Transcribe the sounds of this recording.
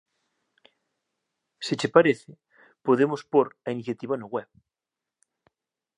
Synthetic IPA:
set͡ʃepaɾeθɪ | poðemospoɾainiθjat̪iβanoɣwɛβ

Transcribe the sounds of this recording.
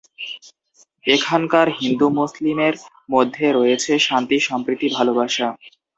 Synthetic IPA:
ekʰankaɾɦind̪umuslimeɾ | mod̪ʱːeɾojet͡ɕʰeʃant̪iʃɔmpɾit̪ibʱalobaʃa

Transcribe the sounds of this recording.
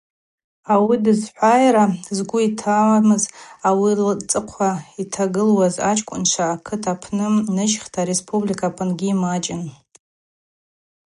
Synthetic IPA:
awidɨzħʷajɾazɡʷʊitʰamɨzawilt͡sʼɨqʷʰaitʰaɡɨlwaza̰t͡ʃʰʼkʷʼʊ̰nʂʷʰaːkʰɨtʰapʰnɨnɨʒχtʰaɾespʼublikʰʼapʰʼɨnɡʲiːmat͡ʃʼɪn

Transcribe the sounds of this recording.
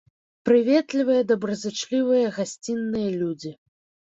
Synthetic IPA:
pɾɨvʲɛt̪lʲivɨjɐd̪ɐbɾɐzɨt͡ʂlʲivɨjɐɣasʲt͡sʲinːɨjɐlʲud͡zʲi

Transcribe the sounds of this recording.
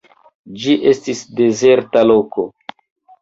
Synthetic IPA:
d͡ʒiʔe̞stisde̞ze̞ɾtalo̞ko̞

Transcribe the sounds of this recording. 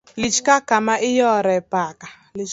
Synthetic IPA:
lit͡ʃkakamaʔɪjɔɾɛpaka | lit͡ʃ

